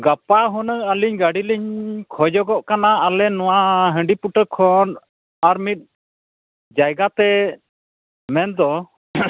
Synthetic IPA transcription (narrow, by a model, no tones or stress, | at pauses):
ɡapaɦɔnəŋaliɲɡaɽiləɲkʰɔd͡ʒɔɡɔʔkanaːlɛnɔwaɦə̃ɳɖipuʈəkʰɔn | aɾmit̪̚ | d͡ʒajɡat̪ɛ | mɛnd̪ɔ